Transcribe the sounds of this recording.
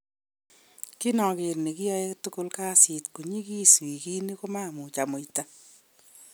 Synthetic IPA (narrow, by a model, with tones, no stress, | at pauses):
kɪ˦nɔ˨kɪ˨ɾne˨kɪ˦jɔ˦e˦tʊ˦ko˦lka˦si˨tku˨ɲi˦ki˦swi˨ki˦ni˦ko˦ma˦˨mʊ˨t͡ʃa˨mo˨ita˦